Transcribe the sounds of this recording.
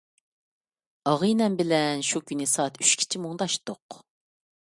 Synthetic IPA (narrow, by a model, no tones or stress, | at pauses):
ɑʁɨnɛmbɪlɛnʃukʲʰynɪsɑːt̪yʃkʲʰi̥t͡ʃʰimoŋd̪ɑʃt̪oq